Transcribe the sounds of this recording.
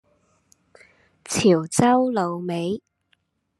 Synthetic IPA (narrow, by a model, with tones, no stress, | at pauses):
t͡sʰiː˨˩wt͡sɐ˥wlo˨wme˨˥j